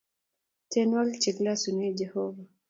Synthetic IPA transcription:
tɛnɔlt͡ʃiklasuned͡ʒɛhɔva

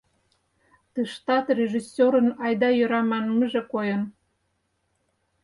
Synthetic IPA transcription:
t̪ɨʃt̪ɑt̪rʲeʒisʲoɾə̆nɑjd̪ɑjøɾɑmɑnməʒekojən

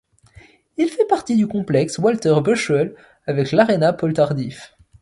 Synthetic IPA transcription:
ilfɛpaʁt̪id̪ykɔ̃plɛkswalt̪ɛʁbøʃœl | avɛklaʁenapɔlt̪aʁd̪if

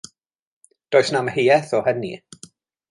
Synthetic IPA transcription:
d̥oːjsnaməhejɛθɔhɛnḭ

